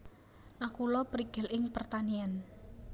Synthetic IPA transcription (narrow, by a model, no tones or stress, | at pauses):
nakulɔpɾiɡ̥ɪ̤lɪŋpərt̪anian